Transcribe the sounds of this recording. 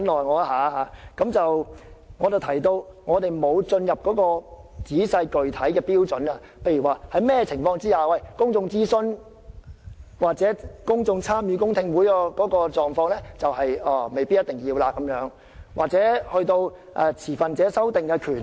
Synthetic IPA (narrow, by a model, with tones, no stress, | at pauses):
nlɔː˨jŋɔː˨˧˥ɦaː˨˧haː˨˧˥kɐ˨˥mt͡sɐ˨wŋɔː˨˧t͡swt̪ʰɐ˨˩jt̪o˧wŋɔː˨˧t̪e˨jmo˨˧wt͡sɵ˧njɐ˨p̚kɔː˨˥kɔː˧t͡siː˨˥sɐ˧jkɵ˨ɥt̪ʰɐ˨˥jkɛː˧piː˥wt͡sɵ˨˥nɐ˧ | pʰe˧jy˨˩waː˨˩hɐ˨˧jmɛː˥ɛ˧t͡sʰɪ˨˩ŋfɔː˧ŋt͡siː˥jaː˨˩wɐ˨˩jkʊ˥ŋt͡sʊ˧ŋt͡siː˥sɵ˥n | waː˨k̚t͡sɛː˨˥kʊ˥ŋt͡sʊ˧ŋt͡sʰaː˥mjyː˧k̬ʊ˥ŋt̪ʰɪ˧ŋwuː˨˥jaː˧kɔː˨˥kɔː˧t͡sɔː˨ŋfɔː˧ŋlɛː˥t͡sɐ˨whɐ˨jɛː˨˩me˨jpi˥t̚jɐ˥t̪̚ɪ˨˩ŋjiː˧wlaː˧kːɐ˨˥mjœː˨˥ŋ | wʔa̰ː˨k̚t͡sɛː˨˥hɵ˧ɥt̪o˧w | ʔɛ̰˧t͡sʰiː˨˩fɐ˨nt͡sɛː˨˥sɐ˥wt̪ɪ˨ŋkɛː˧kʰyː˨˩n